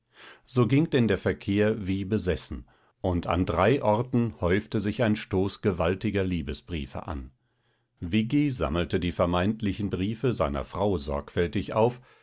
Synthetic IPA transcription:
z̥oːɡɪŋd̥ɛndeːɐfɛɐkʰeːɐviːbəzɛsn̩ | ʔʊntʰa̰ndʁaɪʔɔʁtn̩hɔʏftəzɪçaɪ̃nʃtoːsɡ̥əvaltɪɡɐliːbəsb̥ʁḭːfə̰ʔa̰n | vɪɡiza̰məl̩tədiːfɛɐmaɪntlɪçn̩bʁiːfəzaɪnɐ̰fʁ̥aʊzɔ̰ɐkfɛltɪça̰ʊf

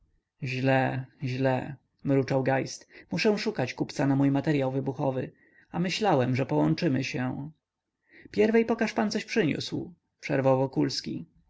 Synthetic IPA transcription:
ʑlɛʑlɛ | mɾut͡ʂawɡajst̪muʂɛw̃ʂukat͡ɕkupt̪sanamujmat̪ɛɾjawvɘbuxɔvɘ̰ | amɘɕlawɛmʐɛpɔwɔnt͡ʂɘmɘɕɛ | pʲjɛɾvɛjpɔkaʂpant̪sɔɕpʂɘɲṵsw | pʂɛ̰ɾvawvɔkulskʲḭ

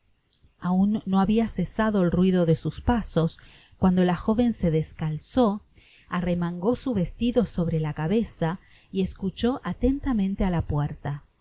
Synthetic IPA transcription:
aunːo̞aβiasesaðoelrwiðo̞ðesuspaso̞s | kwand̪o̞laxo̞βe̞nseðeskalso | aremaŋɡo̞suβe̞st̪iðo̞so̞βɾelakaβesa | ieskut͡ʃo̞ʔat̪e̞nt̪amẽnt̪ealapweɾt̪a

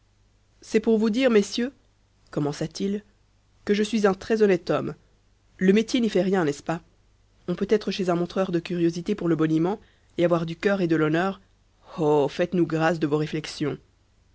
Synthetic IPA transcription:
sɛpuʁvud̪iːʁmesjø | kɔmɑ̃sat̪il | kəʒəsɥizɛ̃t̪χɛzɔnɛt̪ɔm | ləmet̪jenifɛʁjɛ̃nɛspa | ɔ̃pøt̪ɛt̪χəʃezɛ̃mɔ̃t̪χœʁd̪əkʲyʁjozit̪epuʁləbɔnymɑ̃ | eavwaʁd̪ykʲœʁed̪əlɔnœːʁ | ofɛt̪nuɡʁasd̪əvoʁeflɛksjɔ̃

